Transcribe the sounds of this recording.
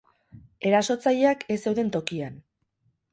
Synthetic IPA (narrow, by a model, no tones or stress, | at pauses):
e̞ɾaso̞t͡saʎeake̞se̞wðe̞nt̪o̞kian